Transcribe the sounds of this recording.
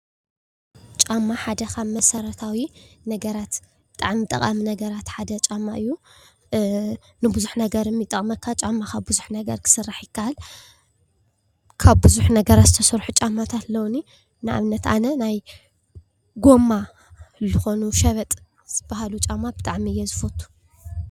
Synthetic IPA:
t͡ʃʼamːaħad̪ɐkamɐsɐɾɐt̪ʰawinɐɡɐɾat̪ | b̥ɨt̪ʼaʕmit̪ʼɐqʼaminɐɡɐɾat̪ħad̪ɐt͡ʃʼamːaʔɨjːu | nɨbuzuħnɐɡɐɾɨmːit̪ʼːɐχʼmɐkʰːat͡ʃʼamːakʰaβbuzuħnɐɡɐɾkʰɨ̥sɨrːaħjɪkʰːaʔal | kʰaβbɨzuħnɐɡɐɾat̪zɨt̪ʰɐsɾħut͡ʃʼamːat̪ʰat̪lɐwni | nɨʔa̰βnɐt̪a̰nɐnaj | ɡo̞mːa | zɨxo̞nuʃɐβɐt̪ʼ | z̥ɨbːahalut͡ʃʼamːabɨt̪ʼaʕmijːɛzɨfot̪ʰːu̥

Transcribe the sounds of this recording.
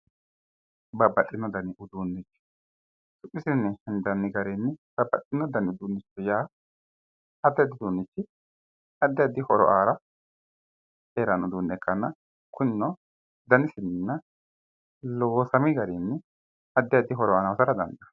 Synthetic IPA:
bɐbɐt̪ʼːɪnːɔd̪ɐnɪʔʊd̪uːnːɪt͡ʃːɪ̥ | t̪ʼʊpʼːɪsɪnːɛhɪnd̪ɐnːɪɡɐɾɛnːɪb̥ɐbɐt̪ʼːɪnːɔd̪ɐnɪʊd̪uːnːɪt͡ʃːɔjaː | ɐd̪ːɛjɐd̪ɪd̪uːnːɪt͡ʃːɪ | ɐd̪ːɪjɐd̪ɪhɔɾɔ̰ʔaːɾɐ | eːɾɐnʊd̪unːɛkːɐnːɐ | kʰʊnːɔ | d̪ɐnɪsɪnnːɐ | loːsɐmɪɡɐɾinːɪ | ɐd̪ːɪjɐd̪ɪɦɔɾɔaːnɐwɔsɐɾɐd̪ɐ̰nd̪ɐ

